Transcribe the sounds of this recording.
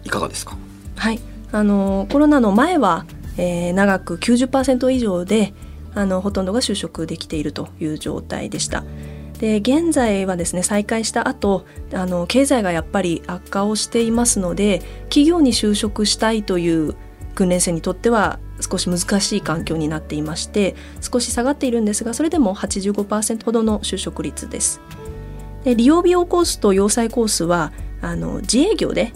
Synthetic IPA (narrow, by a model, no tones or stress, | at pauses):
ikaɡa̰d̪eskḁ | hai | ano̞ko̞ɾo̞nano̞mae̞βa | eːnaɡakɯ̟kʲɨːʑɨpːaːse̞nt̪o̞iʑo̞ːd̪e̞ | ano̞ɦo̞t̪õ̞nd̪o̞ɡaɕɨːɕo̞kɯ̟d̪e̞kʲi̥t̪e̞iɾɯ̟t̪o̞jɯ̟ːʑo̞̰ːt̪a̰ḭd̪e̞ɕi̥t̪a̰d̪̥e̞ɡẽ̞nzaiβ̞ad̪e̞sɨne̞saikaiɕi̥t̪aʔat̪o̞ano̞ke̞ːzaiɡajapːaɾʲiakːao̞ɕi̥t̪e̞imasɨno̞d̪e̞kʲiɡʲo̞ːɲ̟iɕɨːɕo̞kɯ̟ɕi̥t̪ait̪o̞jɯ̟ː | ɡ̥ɯ̟̃nɾẽ̞se̞ːɲ̟it̪o̞t̪ːe̞β̞a | sɨ̥ko̞ɕimɯ̟zɨkaɕiːkãŋkʲo̞ːɲ̟inat̪ːe̞imaɕi̥t̪e̞ | sɨ̥ko̞ɕi̥saɡat̪ːe̞iɾɯ̟̃nd̪e̞sɨɡaso̞ɾe̞d̪e̞mo̞hat͡ɕiʑɨːɡo̞paːsẽ̞nt̪o̞ho̞d̪o̞no̞ɕɨːɕo̞kɯ̟ɾʲit͡sɨd̪e̞̰sɨ̥ | d̪̥e̞ɾʲijo̞ːbʲio̞ːko̞ːsɨ̥t̪o̞jo̞ːsaiko̞ːsɨβaːno̰d͡ʑie̞ːɡʲo̞̰ːd̪e̞